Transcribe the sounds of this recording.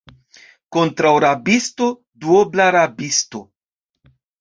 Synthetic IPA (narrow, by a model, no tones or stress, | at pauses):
kontɾawɾabisto̞ | duoblaɾabisto